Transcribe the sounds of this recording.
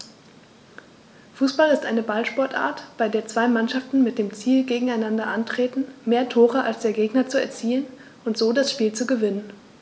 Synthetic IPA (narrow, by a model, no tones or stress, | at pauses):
fuːsb̥alɪstʔa̰ɪnəbalʃpɔɐtʔa̰ːɐtb̥aɪdeːɐt͡sv̥aɪmanʃaftn̩mɪt̚d̥eːmt͡siːlɡeːɡŋ̩aɪnandɐʔantʁ̥eːtn̩meːɐtʰoːʁəʔalsd̥eːɐɡeːɡnɐt͡suɛ̰ɐt͡siːən | ʔʊntz̥oːdasʃpiːlt͡suɡəvɪnən